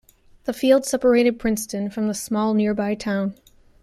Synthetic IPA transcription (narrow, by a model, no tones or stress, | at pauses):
ðəfilˠd̥sɛpə˞eɪɾɨd̚pʰɹ̥ɪ̃nstɨ̃nfɹʌ̃mðəsmɔlˠnɪɹbaɪtʰãʊ̃n